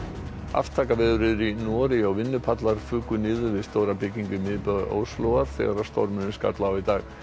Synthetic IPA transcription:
a̰ft̪ʰaːkavɛːðʏɾɪðʏɾinɔːɾɪɔɣvɪnːʏpʰat̪laɾ̥fʏːkʏnɪːðʏɾvɪðst̪owɾapɪcːiŋkʏmɪðpœðʔo̰ːwslowɣaɾ̥θɛ̰ːɣaɾast̪ɔ̰ɾmʏnʏska̰t̪laawit̪aːɣ

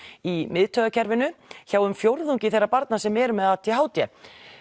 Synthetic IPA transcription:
imɪðt̪ʰœɣacʰɛɾvɪnʏçaːwʏmfjowɾðuɲcɪθejrːapaɾt̪nasɛmɛːɾʏmɛðat̪ʰihaːwt̪jɛ

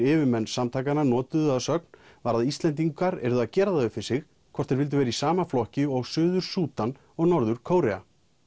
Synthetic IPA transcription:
ɪːvɪmɛnːsamt̪ʰaːjkaɾnanɔːt̪ʏðaðsœk̚n̥ | vaɾðaðist̪lɛnt̪̬iŋkaɾɛ̰ɾðʏaðcɛːɾaðaðʏfɪɾ̥sɪx | kʰvɔr̥t̪ɛɾvɪlt̪̬ʏvɛːɾaisaːmaflɔhcɪɔɣsʏːðʏɾ̥suːt̪an | ɔɣnɔɾðʏɾ̥kʰoːwɾɛa̰

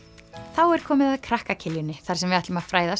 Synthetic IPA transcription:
θawɛɾ̥kʰɔːmɪðaðkʰɾahkacʰɪljʏnːɪθaɾ̥sɛmvɪaht̪lɪmað̥fɾaːjðas

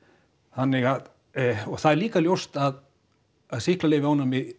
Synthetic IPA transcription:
θanːɪɣað | ɔɣθaðɛɾliːkaljowst̪aðː | ðsihklaleːvɪawnamɪ

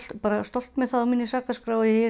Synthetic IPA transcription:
paːɾast̪ɔl̥t̪mɛðθaðɔmɪnːɪsaːkaskɾaːwjɛɛ

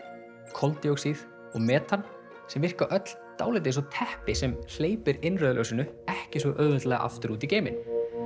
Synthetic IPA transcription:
kʰɔlt̪jowksið | ɔɣmɛːt̪an | sɛmvɪr̥kaʔœt̪l̥t̪aːwlɪjt̪̬ɪs̬ɔt̪ʰɛhpɪsɛml̥eːjpɪɾɪnrœːðlœ̰wsɪnʏɛhcɪsvɛʔœːvʏt̪lɛːɣa̰ʔa̰ft̪ʏɾuːt̪iceːjmɪ̰n

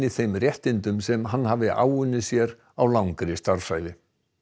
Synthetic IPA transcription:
ɪθejmrjɛht̪ɪnt̪ʏmsɛmɦanːɦaːvɪʔa̰ːwʏnːɪsjɛɾ | awlawŋkɾɪst̪aɾ̥fsajðɪ

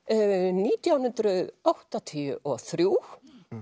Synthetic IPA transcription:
niːt̪jawnʏnt̪ɾʏðawht̪at̪ʰiʏ̰ʔɔɣθɾjuː

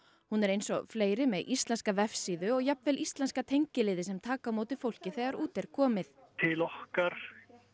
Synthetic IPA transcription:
hunɛɾejnsɔ̰fleːjɾɪmɛðʔist̪lɛnskavɛfsiːðʏɔɣjap̚nvɛlʔist̪lɛnskat̪ʰejɲcɪlɪːðɪsɛmt̪ʰaːkamoːwt̪ɪfowl̥cɪθɛːɣaɾuːt̪ɛɾ̥kʰɔːmɪθt̪ʰɪlɔhkaɾ̥

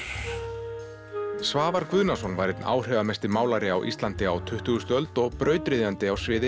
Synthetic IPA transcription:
svaːvaɾkvʏðnasɔnvajɾɪt̪na̰ːwr̥œvamɛst̪ɪmaːwlaɾɪawʔḭst̪lant̪ɪawt̪ʰʏht̪ʏɣʏst̪œlt̪ɔɣpɾœːɥt̪ɾɪðant̪ɪawsvɪːðɪ

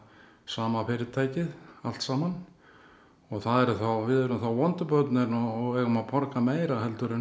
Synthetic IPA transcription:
saːmafɪːɾɪðt̪ʰaːjcɪða̰l̥t̪saːman | ɔɣθaðɛɾʏθawvɪðɛɾʏmθawvɔnt̪ʏpœwt̪nɛɾnɔɣɛɣʏmaðpʰɔɾkameːjɾaɦɛlt̪ʏɾɪn

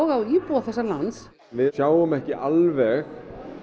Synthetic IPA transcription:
ɔɣawipuaθɛsːalant̪s | vɪsjaːwʏmɛhcɪʔalvɛx

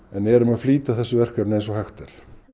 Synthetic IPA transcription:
ɛnɛɛɾʏmaðfliːt̪aθɛsːʏvɛr̥kɛpnejnsɔhajxt̪ɛɾ̥

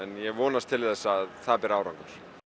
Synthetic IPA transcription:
ɛnjɛɣvɔːnast̪ʰɪlθɛsːaðθaðpɛːɾaːwɾaŋkaɾ̥

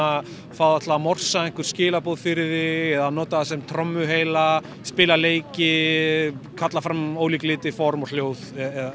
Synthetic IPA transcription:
a | faðat̪ʰlavamɔr̥saɛŋ̥kʏɾ̥scɪːlapoːwðfɪɾɪðɪɛðanɔːt̪aðasɛmt̪ʰɾɔmːʏɦeːjla | spɪːlaleːjcɪ | kʰat̪lafɾamoːwliklɪːt̪ɪfɔɾmɔl̥joːwðɛða

